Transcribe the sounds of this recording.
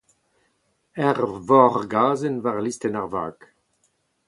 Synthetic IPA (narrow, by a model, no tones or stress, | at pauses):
ɛʁvɔʁɡaːzənvaʁlistɛnaʁva̰ːk